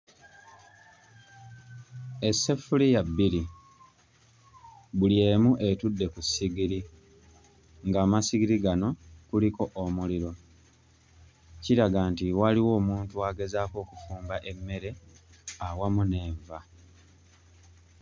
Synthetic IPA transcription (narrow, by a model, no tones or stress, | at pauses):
e̞sːe̞fulijabːiɾi | βulje̞ːmuʔe̞tudːe̞kusːiɡiɾi | ŋɡaːmasiɡiɾiɡano̞kuliko̞ʔomuliɾo̞ | ciɾaɡaːntiwaliwo̞ːmuːntuaːɡe̞zaːko̞ːkufuːmbaʔe̞mːe̞ɾe̞awamune̞ːɱva